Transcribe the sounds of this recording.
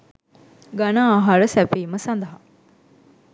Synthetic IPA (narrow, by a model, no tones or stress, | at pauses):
ɡanaːɦɐɾəsæpiːməsɐnd̪ɐɦa